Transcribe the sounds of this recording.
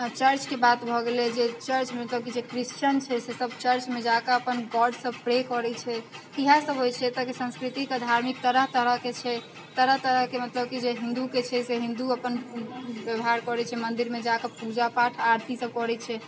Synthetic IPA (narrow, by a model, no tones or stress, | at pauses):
t͡ʃəɾt͡ʃkebat̪bʱɔɡelɛd͡ʒet͡ʃəɾt͡ʃmemət̪ləb̚kid͡ʒekɾist͡ʃənt͡ʃʰɛsesəbt͡ʃəɾt͡ʃmed͡ʒakaəpənɡɔɾɖsəb̚pɾekɔɾɛt͡ʃʰɛkiɦasəbɦojt͡ʃʰɛt̪əkesə̃skɾit̪iked̪ʱaɾmik̚t̪əɾət̪əɾəket͡ʃʰɛ | t̪əɾət̪əɾəɦkemət̪ləb̚kid͡ʒeɦĩnd̪uket͡ʃʰɛseɦĩnd̪uəpənbjəbɦaɾkɔɾɛt͡ʃʰɛmənd̪iɾmed͡ʒakapud͡ʒapaʈʰaɾt̪ʰisəb̚kɔɾɛt͡ʃʰɛ